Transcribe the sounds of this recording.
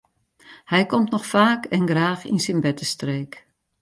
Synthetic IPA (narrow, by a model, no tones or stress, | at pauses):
hɛjkɔmtnɔxfaːkɛnɡraːxḭnsinbɛtəstreːk